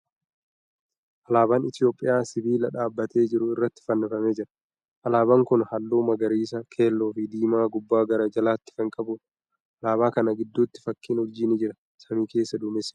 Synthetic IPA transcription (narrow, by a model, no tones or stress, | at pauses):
ʔɐlaːbaːnɪt̪jo̞ːpʼːɪjaːsɪbiːlɐᶑaːbːɐt̪ʰe̞ːd͡ʒɪɾʊɪrːɐt̪ːɪ̥fɐnːɐfɐmeːd͡ʒɪɾɐ̥ | ʔɐlaːbɐŋkʊnhɐlːuːmɐɡɐɾiːs̬ɐkʰe̞ːlːoːfɪd̪iːmaːɡʊbːaːɡɐɾɐd͡ʒɐlaːt̪ːɪ̥fɐŋkʼɐbʊ | ɐlaːbaːkɐnɐɡɪd̪ːut̪ːɪ̥fɐkːiːnhʊɾd͡ʒɪnɪd͡ʒɪɾɐ | sɐmiːke̞ːsːɐd̪ʊmɪs